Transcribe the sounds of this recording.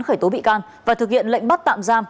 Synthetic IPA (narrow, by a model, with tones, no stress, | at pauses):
nxəː˧˩jt̪o˨˦ɓḭ˧˨kaː˧n | vaː˨˩t̪ɨ˨˩k̚hḭ˧˨ənlə̰˧˨ŋ̟ɓa˦˥t̚t̪a̰ː˧˨mzaː˧m